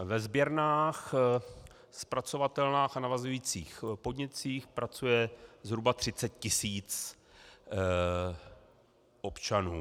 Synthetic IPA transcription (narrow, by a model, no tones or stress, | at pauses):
vɛzbjɛɾnaːx | spɾat͡so̞vat̪ɛlnaːxanavazujiːt͡siːxpodɲɛt͡siːxpɾat͡sujɛzɦɾubat̪r̝̥ɪt͡sɛt̪̚cɪsiːt͡s | ʔo̞pt͡ʃanuː